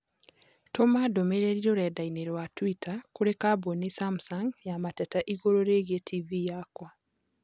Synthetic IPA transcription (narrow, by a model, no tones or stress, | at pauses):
tomadomeɾeɾiɾoɾɛdaineɾwatwitakuɾekabonisamsaŋɡjamatɛtaʔiɣoɾoɾeɣietʰivijakwa